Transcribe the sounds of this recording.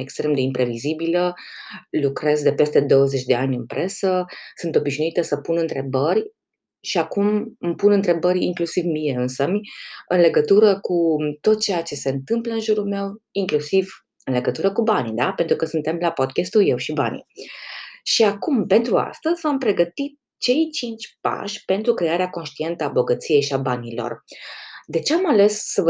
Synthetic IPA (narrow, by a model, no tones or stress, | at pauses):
e̞kst̪ɾe̞md̪e̞impɾe̞vizibilə | lukɾe̞zd̪e̞pe̞st̪e̞d̪o̞wəze̞t͡ʃʲd̪e̞anʲɨnpɾʔe̞səsunt̪o̞biʃnuit̪əsəpunɨnt̪ɾe̞bərʲ | ʃiakummpunɨnt̪ɾe̞bəɾʲḭŋklusivmije̞ɨnsəmʲɨnle̞ɡət̪uɾəkut̪o̞t̪̚t͡ʃe̞jat͡ʃe̞se̞ɨnt̪ɨmpləɨnʒuɾulme̞wiŋklusiv | ɨnle̞ɡət̪uɾəkubanid̪ape̞nt̪ɾukəsunt̪e̞mlapo̞d̪̚kʲest̪ulje̞wʃiba̰nḭ | ʃiakumpe̞nt̪ɾua̰st̪əzʲvampɾe̞ɡət̪it̪̚ | t͡ʃe̞jt͡ʃint͡ʃʲpa̰ʃʲpe̞nt̪ɾukɾe̞aɾeako̞nʃt̪ie̞nt̪əabo̞ɡət̪sije̞jʃiabanilo̞̰r | d̪e̞t͡ʃe̞amale̞sːəvə